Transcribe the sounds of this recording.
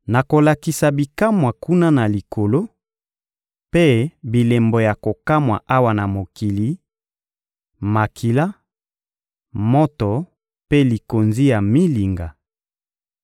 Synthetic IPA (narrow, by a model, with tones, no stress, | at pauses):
na˨ko˨la˨ki˨sa˨bi˨ka˦mwa˨ku˦na˦na˨li˨kʰo˨lo˦ | pe˦bi˨le˨mbo˨ja˨ko˨ka˦mwa̰˨ʔa˦wa˦˨na˨mo˨ki˨li˨˦ | ma˨kʰi˨la˦ | mɔ˦tɔ˨ | pe˦li˨ko˨nzi˦ja˨mi˦li˨ŋɡa˨